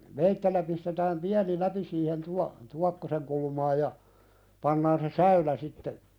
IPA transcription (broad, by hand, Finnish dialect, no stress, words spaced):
ʋeitːelːæ pistetæːm piæni læpi siːhen tuɑ tuɑkːoseŋ kulmɑːj jɑ pɑnːɑːn se sæylæ sitːe